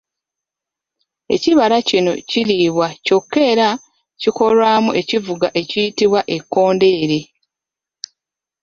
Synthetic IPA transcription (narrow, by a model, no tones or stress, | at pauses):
e̞̰ciβaɾacino̞̰ciliːβwaco̞kːe̞ːɾa | ciko̞lwaːmuʔe̞civuɡaʔe̞cijitiβwaʔe̞kːo̞ːnde̞ːɾe̞